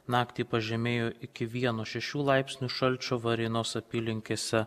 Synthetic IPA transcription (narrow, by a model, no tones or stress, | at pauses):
nɑːkt̪ʲiːpɐʒʲɛmʲeːjoːʔɪkʲɪʋʲiɛnoːʃʲɛʃʲuːlˠɑɪpʲsʲnʲuːʃɐlʲt͡ʃʲoːʋɐɾʲɪnoːsɐpʲiːlʲɪŋʲkʲeːsʲɛ